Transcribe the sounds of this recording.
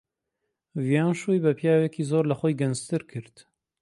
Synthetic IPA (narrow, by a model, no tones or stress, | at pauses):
vijaːnʃujbɐpʰijaːwɛkizoːɾlɐxojɡɛnzt̪ɨɾkʰɨɾt̪